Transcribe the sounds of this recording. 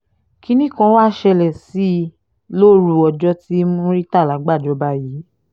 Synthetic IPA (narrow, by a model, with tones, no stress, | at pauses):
ki˦nĩ˦kã˧˦wa˦˨ʃɛ˧lɛ˨si˨˦ | lo˦ɾu˧˨ɔ˧d͡ʒɔ˦ti˦mõ˦ɾi˦ta˦˨la˨˦ɡ͡ba˦˨d͡ʒɔ˧˦ba˧˦ji˨˦